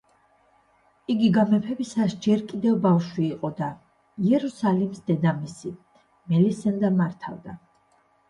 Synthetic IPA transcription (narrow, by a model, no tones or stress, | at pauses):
iɡiɡamɛpʰɛbisasd͡ʒɛɾkʼid̪ɛvbafʃwiːqʼɔd̪a | iɛɾusalimsd̪ɛd̪amisi | mɛlisɛnd̪amaɾt̪ʰa̰vd̪a